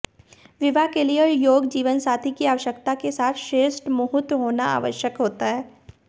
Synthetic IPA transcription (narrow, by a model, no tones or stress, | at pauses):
ʋɪʋakeliəɾjoːɡd͡ʒiːʋənsaːt̪ʰikiaːʋəʃəkt̪akesaːt̪ʰʃɾeːsʈmʊɦʊt̪ɦoːnaa̰ːʋə̰ʃjəkɦoːt̪aɦɛː